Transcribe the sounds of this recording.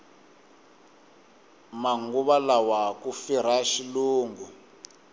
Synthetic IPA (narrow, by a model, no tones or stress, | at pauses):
maŋɡuβalawakufiɾ̤aʃiluːŋɡu